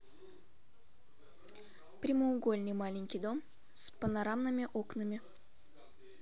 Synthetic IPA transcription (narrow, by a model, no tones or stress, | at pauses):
pɾʲɪməʊɡo̞lʲnɨjmalʲɪŋʲkʲijd̪o̞m | spənaɾamnɨmʲɪʔo̞knɨmʲɪ